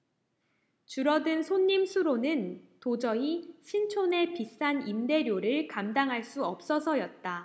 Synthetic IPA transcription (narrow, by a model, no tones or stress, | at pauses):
t͡ɕuɾʌdɯnsʰoɲːimsʰuɾonɯntod͡ʑʌiɕʰint͡ɕʰone̞pis͈animde̞ɾjoɾɯɭkamdaŋɦaɭs͈uʌp̚s͈ʌsʰʌjʌt̚t͈a